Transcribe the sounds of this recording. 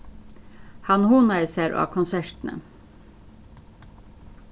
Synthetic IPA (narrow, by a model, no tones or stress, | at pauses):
hɑnhuːnɑɪsæɾʔo̰ːɑ̰ːkʰʊnsæʂʈ̪n̩ə̰